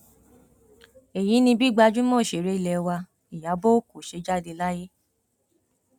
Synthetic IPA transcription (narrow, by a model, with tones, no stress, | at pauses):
e˨j̃ĩ˨˦nĩ˧bi˦ɡ͡ba˧d͡ʒu˦mõ˦˨ʃe˨ɾe˨˦i˦˨lɛ˧˨˧wa˧ | i˨ja˨˦bo˦o˦˨ku˨ʃe˧˦d͡ʒa˦˨de˧la˦je˦